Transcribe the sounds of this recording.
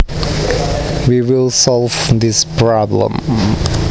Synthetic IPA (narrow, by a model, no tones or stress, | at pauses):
wiwɪlˠsɔlˠvðɪspʰɹɑblə̰̃m